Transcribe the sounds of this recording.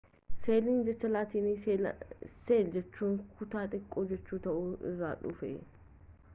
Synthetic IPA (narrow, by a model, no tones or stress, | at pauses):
seːlɪnd͡ʒɛt͡ʃːɐlaːt̪iːnɪ | seːld͡ʒɛt͡ʃːuːŋkʰʊt̪aːt̪ʼɪkʼːoːd͡ʒɛt͡ʃːuːt̪ɐʔʊɪ̰rːa̰ːᶑʊ̰fɛ̰